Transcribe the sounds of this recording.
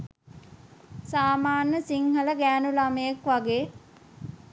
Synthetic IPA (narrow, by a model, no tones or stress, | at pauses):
saːmaːnːəsiŋɦələɡæːnulaməjekʋaɡeː